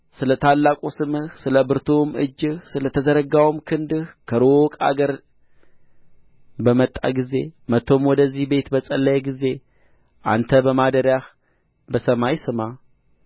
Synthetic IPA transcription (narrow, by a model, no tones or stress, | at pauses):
sɨlət̪ʰalːakʼosɨmɨhsɨləbɨɾt̪ʰomɨ̰d͡ʒːɨhsɨlət̪ʰəzəɾəɡawmkʰɨnd̪ɨhkʰəɾokʼa̰ɡəɾ | bəmət̪ʼːa̰ɡize̞mət̪ʰːo̞mwɔd̪əzːihbe̞t̪bəsʼəlːəjɛɡize̞ | ʔa̰nt̪ʰəbəmad̪əɾjah | bəsəmajsɨma